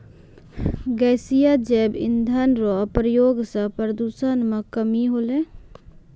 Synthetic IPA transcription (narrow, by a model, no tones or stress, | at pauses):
ɡɛsijad͡ʒɛbḭnd̪ʱənɾopɾəjoɡsə̃pɾəd̪usənmekəmiɦole